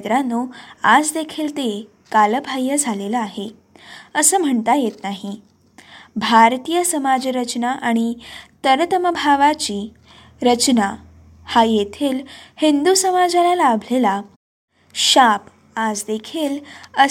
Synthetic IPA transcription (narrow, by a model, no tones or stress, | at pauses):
d̪ɾanːuad͡zd̪ekʰiːlt̪e | kaləbʱajːəd͡zʱaleləaɦe | əsəːm̤əɳt̪ajet̪naɦi | bʱaɾt̪ijəsəmad͡zɾət͡ɕnaʔaɽ̃it̪əɾt̪əməbʱaʋat͡ɕiː | ɾət͡ɕna | hajet̪ʰiːlhind̪usəmad͡zalalabʱlela | ɕap | ad͡zd̪ekʰiːlə